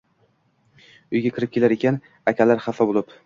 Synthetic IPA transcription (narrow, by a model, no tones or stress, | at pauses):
ʊjɡʲakʲʰɪɾɪp̚kʲʰelaɾekʲʰan | akʲʰalaɾχafabolˠɪp